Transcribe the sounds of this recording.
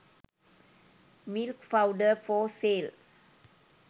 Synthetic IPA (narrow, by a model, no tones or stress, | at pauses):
milkfaʊɖəfɔsel